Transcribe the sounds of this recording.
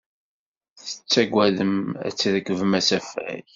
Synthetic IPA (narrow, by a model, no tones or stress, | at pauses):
θə̥t͡sːæɡʷæðəmæ̰t͡sːðəkːəvəmæsæfæ̰j